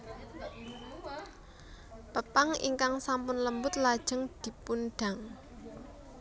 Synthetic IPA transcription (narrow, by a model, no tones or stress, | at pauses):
pəpaŋḭŋkaŋsampʊnləmbʊt̪̚lad̥ʒ̥ə̤ŋd̪̥i̤punɖ̥a̤ŋ